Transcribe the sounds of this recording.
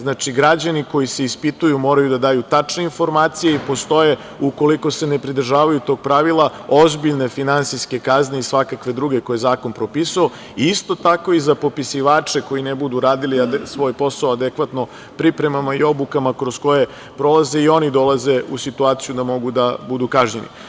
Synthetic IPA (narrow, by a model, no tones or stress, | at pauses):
znat͡ʃiɡɾad͡ʑaniko̞jise̞ispit̪ujumo̞ːɾajud̪ad̪aːjut̪at͡ʂne̞info̞ɾmaːt̪sijeipo̞st̪o̞je̞ | uko̞liko̞se̞ne̞pɾid̪r̩ʒaːʋajut̪o̞ːɡ̚pɾaʋilˠao̞zbiʎne̞finansiske̞kazne̞isʋakakʋe̞d̪ɾuɡe̞ko̞jezaːko̞npɾo̞pisuo | iist̪o̞t̪ako̞izapo̞pisiʋaːt͡ʂe̞ko̞jinebud̪uɾaːd̪iliad̪sʋo̞jpo̞saoad̪ekʋat̪no̞ | pɾipɾe̞mamaio̞bukamakɾosko̞je̞ | pɾo̞lˠaze̞io̞nid̪o̞lˠaze̞usit̪uaːt̪sijud̪amo̞ɡud̪abud̪ukaʒɲenḭ